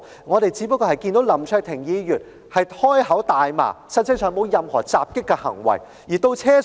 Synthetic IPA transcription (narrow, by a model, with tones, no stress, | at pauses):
ŋɔː˨˧ɾe˨jt͡siː˨˥pɐ˥kːɔː˧hɐ˨jkiː˧nt̪o˨˥wlɐ˨˩mt͡ʃʰœː˧k̚t̪ʰɪ˨˩ŋjiː˨˧˥ɥyː˨t̚ | hɐ˨jhɔː˥jɦɐ˨˥wt̪aː˨jma̰ː˨˩sɐ˥n̚t͡sʰɪ˥ŋsœː˨˩ŋmo˨˧wjɐ˨mhɔ̰ː˨˩t͡saː˨p̚kɪ˥kːɛ˧hɐ̰˨˩ŋwɐ̰˨˩j | jiː˨˩t̪o˧wt͡sʰɛː˥